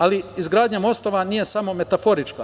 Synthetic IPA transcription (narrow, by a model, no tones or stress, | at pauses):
aliizɡɾaːd̪ɲamo̞st̪o̞ʋaniːje̞samo̞me̞t̪afo̞ɾit͡ʃka